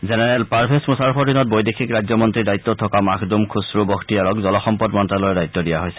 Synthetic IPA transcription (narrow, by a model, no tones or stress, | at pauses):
zɛnɛɹɛlpaɹpʰesmusaɹɔpʰɔdinɔt̚bojdekʰikɹajzɔmɔntɹidajit̪ːɔtʰɔkamakʰdumkʰusɹubɔkʰtiaɹɔkzɔlɔxɔmpɔdmɔntalɔɹɛdajt̪ːɔdijaɦojsɛ̥